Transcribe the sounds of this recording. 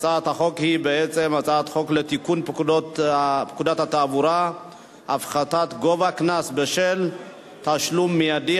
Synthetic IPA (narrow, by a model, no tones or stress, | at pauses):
t͡saat̪haχo̞khibeet͡se̞mat͡saat̪χo̞klet̪ikunpkudotpkudat̪hat̪aːvuɾa | ʔafχat̪at̪ɡo̞vaknasbeʃel | taʃlumːijadi